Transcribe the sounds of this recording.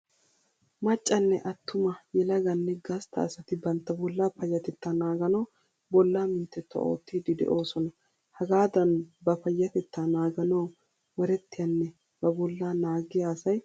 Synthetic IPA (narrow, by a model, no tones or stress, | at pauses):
mɐt͡ʃʼːɐnːɛʔɐt̪ːʊmɐjɛlɐɡɐnːɛɡɐst̪ɐ̰ɐsɐt̪ɪbɐnt̪ːɐbɔlːaːpɐjːɐt̪ɛt̪ːanaːɡɐnoː | bɔlːaːmɪnt̪ːɛt̪ːɔ̰ʔo̰ːt̪ːiːd̪ɪd̪ɛ̰ʔo̞ːsɔnɐ | hɐɡaːd̪ɐnbɐpɐjːɐt̪ɛt̪ːanaːɡɐnoː | wɐɾɛt̪ːɪjɐnːɛ | b̥ɐbɔlːaːnaːɡɪjasɐj